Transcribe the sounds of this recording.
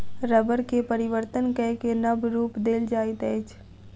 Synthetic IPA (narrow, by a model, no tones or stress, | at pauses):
ɾəbəɾkepəɾɪʋəɾt̪ənkɛɦkenɐbɾuːpd̪eːld͡ʒaːɪt̪ɛːt͡ʃ